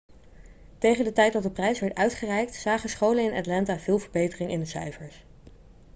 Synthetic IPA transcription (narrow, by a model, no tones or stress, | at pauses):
tejχəndətɛjt̚dɑt̚dəprɛjsʋɛɹtœɥtχərɛjk̚tsaːχəsχowlənɪnɑtlɑntaːv̥ɪːlˠvəɹbejtərɪŋʔɪndəsœ̰ɥfəɹs